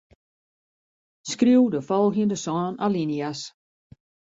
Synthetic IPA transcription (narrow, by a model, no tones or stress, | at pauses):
skriwdəfɔlˠɣjəndəsɔːnalinias